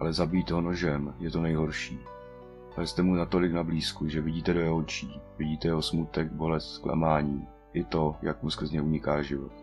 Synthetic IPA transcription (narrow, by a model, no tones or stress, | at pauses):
ʔalɛzabiːt̪ɦono̞ʒɛmjɛt̪o̞nɛjɦo̞ɾʃiː | alɛst̪ɛmunat̪o̞lɪknabliːskuʒɛvɪɟiːt̪ɛdojɛolt͡ʃiːvɪɟiːt̪ɛjɛɦosmut̪ɛkbo̞lɛst̪skla̰maːɲiː | ʔɪt̪o̞jakmuskɾr̩zɲɛuɲɪkaːʒɪvo̞̰t̪